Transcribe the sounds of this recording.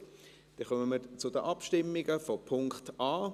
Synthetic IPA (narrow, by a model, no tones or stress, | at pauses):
d̥ɛχœməməɾt͡sʊdəʔɑpʃtɪmːɪɡəfɔpʰʊŋkχt̪ɑː